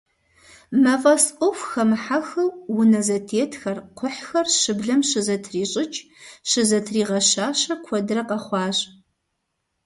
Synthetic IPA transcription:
mɐvɐsʔʷʊxʷxɐmħaxɐwwʊnɐzɐtʰeːtʰxɐrqʷʰʊħxɐrʃɨbɮɐmʃɨzɐtʰriːɕʼɪt͡ʃʼ | ʃɨzɐtʰriːʁɐʃaːʃɐkʷʰɔdɨrɐqɐχʷɑːɕʼ

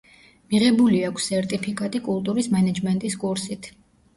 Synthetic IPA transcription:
miʁɛbuliakʰsːɛɾt̪ʼipʰikʼat̪ʼikʼulˠt̪ʼuɾismɛnad͡ʒmɛnt̪ʼiskʼuɾsit̪ʰ

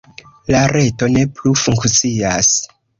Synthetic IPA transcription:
laɾe̞to̞ne̞plufuŋkt͡sias

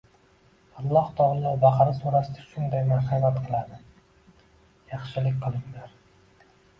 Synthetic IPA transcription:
ɑlˠːɒht̪ʰɒʁlˠɒbaχɾɪsuɾasɪd̪aʃʊnd̪ajmaɾhamat̪qʰɨlˠad̪ɪ | jɑχʃɪlɪkʲqʰɨlˠɪŋlaɾ

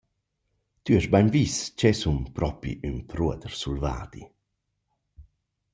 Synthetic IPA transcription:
t̪yɛʃbajnvist͡ʃɛsumpɾʔɔpḭynpʰɾuəd̪əɾsulva̰ːd̪̥ḭ

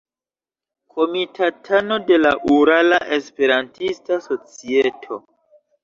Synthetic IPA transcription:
kʰo̞mitʰatʰano̞de̞laʔuɾalaʔespe̞ɾantistaso̞t͡sietʰo̞

